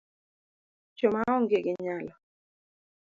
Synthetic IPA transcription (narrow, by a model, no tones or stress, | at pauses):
t͡ʃomaɔŋɡeɡɪɲalɔ